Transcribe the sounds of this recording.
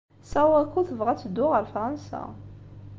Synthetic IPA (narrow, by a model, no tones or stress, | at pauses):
sæwækʷːuθəvʁæt͡sːəd̪ːʊʁəɾfʁˤansæ̰